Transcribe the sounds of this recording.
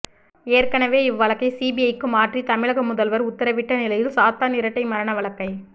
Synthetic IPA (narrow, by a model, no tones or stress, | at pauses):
eːɾkɐɳɐʋeːɪʋːɐɭɐkːɐɪsiːbiɐjkːɯmaːʈrit̪ɐmɪɻɐɣɐmʊðɐlʋɐɾʊt̪ːɐɾɐʋɪʈːɐnɪlɐjɪlsaːt̪aːnɪɾɐʈːɐɪmɐɾɐɳɐʋɐɭɐkːɐɪ